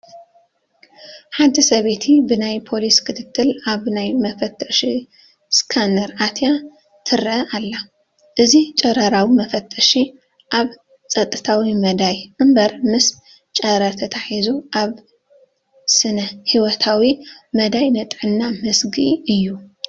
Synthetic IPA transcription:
ħant̪ʰisɐβe̞t̪ʰibɨnajpʰo̞liskʰɨt̪ʰɨt̪ʰːɨlaβnajmɐfɐt̪ʰʼːɐʃi | skʰandɐɾat̪ʰja | t̪ʰɨɾʔɐʔalːa | ʔɨzit͡ʃʼɐɾɐɾawimɐfɐt̪ʰʼːɐʃi | ʔaβ | t͡sʼɐt̪ʼːɨt̪ʰawimɐd̪ajʔɨmbɐɾmɨs | t͡ʃʼɐɾɐɾt̪ʰɐt̪ʰaħizuʔaβ | sɨnɐhiwɔt̪ʰawimɐd̪ajnɨt̪ʼʕɨnːamɨsɡiʔɨjːu

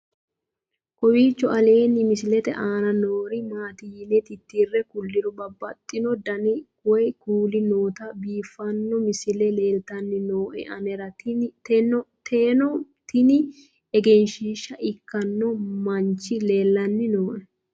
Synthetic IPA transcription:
kɔwiːt͡ʃːɔɐleːnːɪmɪsɪlɛt̪ɛ̰ʔaːnɐnoːɾɪmaːt̪ɪjɪnɛt̪ɪt̪ːiːrːɛkʊlːɪɾʊbɐbːɐt̪ʼːɪnɔd̪ɐnɪ | ɔjkuːlɪnoːt̪ɐbiːfːɐnːɔmɪsɪlɛleːlt̪ɐnːɪnoːʔɛ̰ʔɐnɛɾɐ | t̪eːnɔt̪ɪnɪ | ɛɡɛnʃiːʃːɐʔɪkːɐnːɔmɐnt͡ʃːɪle̞ːlːɐnːɪnoːʔɛ

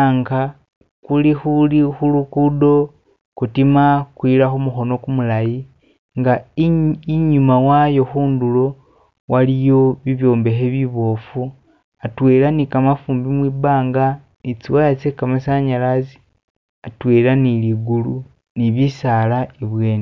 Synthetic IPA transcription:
aŋɡa | kulixulixulukudo̞ | kutimakwiːɾaxomuxo̞no̞kumulaji | ŋɡa | iɲumawajoxuːndulo̞ | walijo̞βiβjo̞ːmbe̞xeβiβo̞ːfu | atwe̞ːlanikamafuːmbimwiːbaːŋɡa | nit͡siwaat͡sekamasaɲalazi̥ | atwe̞ːlaniliɡulu | niβisaːlaiβwe̞ːne

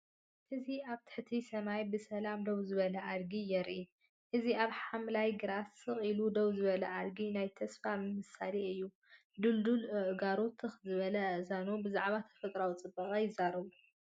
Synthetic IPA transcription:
ʔɨziaβt̪ʰɨ̥ħt̪ʰisɐmajbɨsɐlamd̪owzɨβɐlɐʔaɾɡijɛɾʔi | ʔɨziaβħamlajɡɨɾasɨχʼilud̪owzɨβɐlɐʔalɡinajt̪ʰɐsfamɨmɨsaleɨjːu | d̪uld̪ulɨʔɡaɾot̪ʰːɨxzɨβɐlɐzanubɨzaʕβat̪ʰɐ̥fɐt̪ʼɾawt͡sʼɨbːɐχʼɐjɪzːaɾɐβu

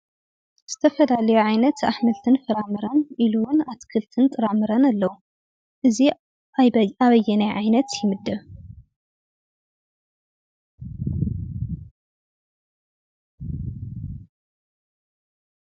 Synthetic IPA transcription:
z̥ɨt̪ʰɐfɐlalɐjuʕajnɐt̪aħmɐlt̪ʰɨnfɐɾamɨɾɐnʔiluwʊnat̪kʰɨlt̪ʰɨnt̪ʼɨɾamɨɾɐnalːɐwu | ʔɨzi | aaβɐjːɛnɐjʕajnɐt̪jɪmɨd̪ːɐβ

